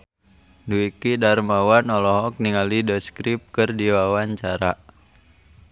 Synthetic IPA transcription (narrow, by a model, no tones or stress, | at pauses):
duikidarmawanɔlɔɦɔk̚niŋalidɔskɾip̚kɨrdiwawaɲt͡ʃaɾa